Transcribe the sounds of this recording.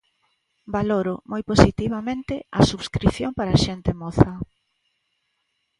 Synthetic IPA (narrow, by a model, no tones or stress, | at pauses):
baloɾʊmojposit̪iβamẽnt̪ɪɐsuβskɾiθjompaɾaʃent̪emoθɐ